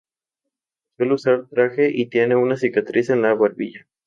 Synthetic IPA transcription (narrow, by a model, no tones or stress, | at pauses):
swe̞leusaɾt̪ɾaxe̞ʔit̪je̞ne̞unasikat̪ɾise̞nlaβaɾβḭʝa